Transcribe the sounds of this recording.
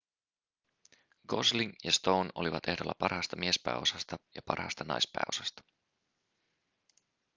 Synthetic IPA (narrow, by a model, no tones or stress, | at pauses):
ɡ̥osliŋjɑst̪o̞wno̞liʋɑt̪e̞ɦdolːɑpɑrhɑst̪ɑmie̞spæ̰ːo̞sɑst̪ɑjɑpɑ̰rhɑ̰st̪ɑnɑ̰jspæ̰ːo̞̰sɑst̪ɑ̥